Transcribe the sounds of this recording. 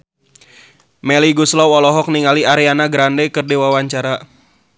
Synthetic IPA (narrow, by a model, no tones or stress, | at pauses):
mɛliɡuslɔwɔlɔɦɔk̚niŋaliaɾianaɡɾandɛkɨrdewawaɲt͡ʃaɾa